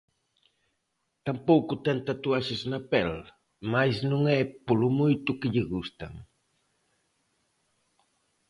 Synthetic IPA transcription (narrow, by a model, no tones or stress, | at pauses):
t̪ampowkut̪ɛnt̪at̪uaʃeznapɛl | majznuŋɛpulumujt̪ukəʎəɣust̪a̰ŋ